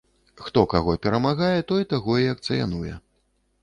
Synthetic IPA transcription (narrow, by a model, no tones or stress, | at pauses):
xt̪ɔkaɣɔpʲɛɾɐmaɣajɛt̪ɔjit̪aɣɔiɐkt̪sɨja̰nujɛ̰